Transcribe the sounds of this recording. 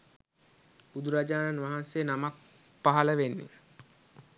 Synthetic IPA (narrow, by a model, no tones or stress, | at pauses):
bud̪uɾad͡ʒaːnanʋaɦansejənamak̚ | paɦɐləʋenːḭ